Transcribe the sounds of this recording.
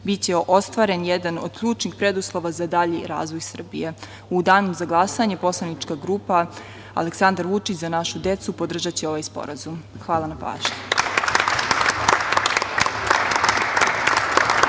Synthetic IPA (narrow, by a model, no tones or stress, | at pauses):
bit͡ɕe̞ʔost̪ʋaːɾe̞njed̪ano̰d̪̥kʎʲuːt͡ʃnixpɾed̪uslˠo̞ʋazad̪aʎiɾa̰ːzʋo̞jsr̩bḭje̞ | ud̪aːnumzaɡlˠasaɲe̞po̞slˠanit͡ʃkaɡɾuːpa | a̰leksand̪aɾʋut͡ʃit͡ɕzanaʃud̪e̞t̪supod̪r̩ʒat͡ɕeo̞ʋajspo̞̰ɾazum | xʋaːlˠanapa̰ːʒɲe